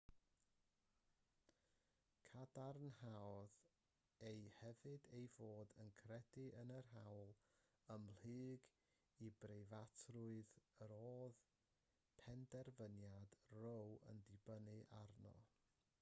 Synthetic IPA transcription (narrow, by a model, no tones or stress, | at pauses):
kʰadarnhawɔð | ejhɛvɨdejvoːdənkʰrɛdɪʔənərɦawlˠ | əml̥ɨːɡ | ibrejvatʰrʊɨðəɾoːð | pʰɛndɛrvənjad̥rowə̰ndɪbənɨʔarnɔ̰